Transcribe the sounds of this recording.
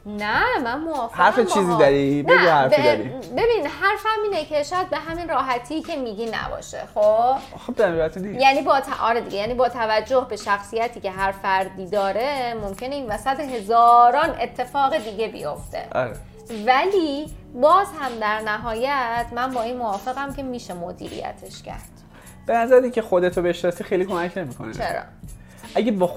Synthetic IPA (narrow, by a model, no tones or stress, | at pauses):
næmænmoɒːfhæɾfet͡ʃiːziːd̪aɾibnæhæɾfd̪ɾibe̞biːnid̪ɦæɾfæmiːnecʰe̞ʃɒːjæd̪̚be̞ɦæminrɒːɦæt̪ʰiːcʰe̞miːɟiːnæ̰bɒ̰ːʃe̞̰xo | xobd̪æmat̪ʰunijæːniːbɒːt̪ʰʔɒ̰ɾed̪iɡe̞jæːniːbɒːt̪ʰævæd͡ʒːohbe̞ʃæxsijæt̪ʰiːce̞ɦæɾfæɾd̪iːd̪ɒːɾe̞mo̞mcʰe̞ne̞iːnvæsæt̪eɦe̞zɒːɾɒːne̞t̪ʰːe̞fɒːɣe̞d̪iːɟe̞bḭjo̞ft̪ʰe̞̰ʔɒ̰ɾe | væliːbɒːzhæmd̪æɾnæɦɒːjæt̪ʰmænbɒːiːnmovɒːfe̞ɣæmcʰe̞miːʃe̞mod̪ḭːɾḭjæ̰t̪ʰe̞ʃcʰæ̰ɾd̪̥ | b̥e̞næzæɾeiŋcʰexod̪et̪ʰobeeʃnɒsiːxejliːkʰomæcʰne̞miːkʰo̰net͡ʃʰeɾɒ̰ː | ʔæɡebː